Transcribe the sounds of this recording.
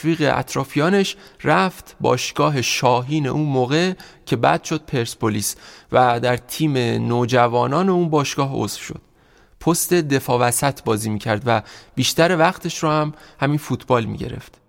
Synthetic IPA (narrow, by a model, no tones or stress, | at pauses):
viːɣḛʔæ̰t̪ʰɾɒːfijɒːne̞ʃræft̪ʰbɒ̰ːʃɡ̥ɒːɦe̞ʃɒːɦiːne̞̰ʔuːnmoːɣe̞cʰe̞bæ̰ːd̪̥ʃo̞d̪̥̚pʰeɾspʰoliːsvæd̪æɾt̪ʰiːme̞noːd͡ʒævɒːnɒːne̞uːnbɒːʃɡ̥ɒːɦo̰sfʃo̞̰d̪̥ | pʰost̪e̞d̪e̞fɒːvæsæt̪ʰbɒːziːmiːcʰæɾd̪væb̥iːʃt̪æɾevæχt̪ʰe̞ʃɾɔːhæmhæmiːnfuːt̪ʰbɒːlmḭɟe̞̰ɾe̞̰ft̪